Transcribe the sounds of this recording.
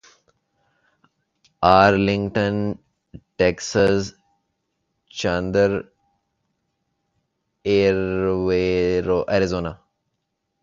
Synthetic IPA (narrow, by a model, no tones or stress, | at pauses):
aːɾlɪ̃ŋɡʈə̃n | ʈeksəs | t͡ʃãnd̪əɾ | eːɾʋeɾoʔɐɾizoːnaː